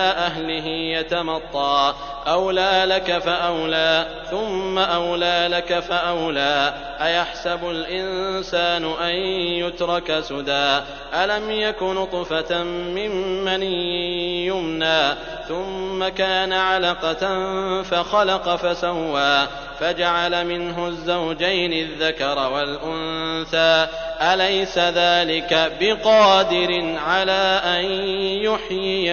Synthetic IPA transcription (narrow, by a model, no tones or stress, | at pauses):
ʔaɦlɪɦɪjat̪amɑt̪ˤːɑː | ʔawlaːlakafaʔawlaː | θʊmːaʔawlaːlakafaʔawlaː | ʔajaħsabʊlʔɪnsaːnʊʔanjʊt̪ɾˤɑkasʊd̪aː | ʔalamjakʊnt̪ˤfat̪mɪmːan | jʊmnaː | θʊmːakaːnaʕalɑqɑ | faxɑlɑqɑfasawːaː | fad͡ʒaʕalamɪnɦʊzːawd͡ʒajnɪðːakɑɾˤɑwalʔʊnθaː | ʔalajsaðaːlɪkabɪqɑːd̪ɪɾɪnʕalaːʔanjʊħjɪ